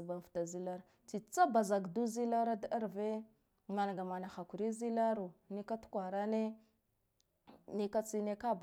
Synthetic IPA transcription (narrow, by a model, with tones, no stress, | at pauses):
ba˨vta˨zi˦la˦ɾ | t͡si˨t͡sa˦ba˨za˨ɡdu˦zi˦la˦ɾa˦da˦a˦ɾve˦ | ma˨n˨ɡa˨ma˨na˨xa˨kʷu˨ɾi˦zi˦la˦ɾu˨ni˦ka˦tu̥˦kʷa˨ɾa˦ne˦ | ni˦ka˦t͡si˦ne˦ka˦b